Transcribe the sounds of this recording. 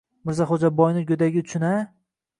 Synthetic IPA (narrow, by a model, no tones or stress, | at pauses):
mɪɾzaχod͡ʒabɒjnɪɡʲod̪aɡʲɪʊt͡ʃʰʊna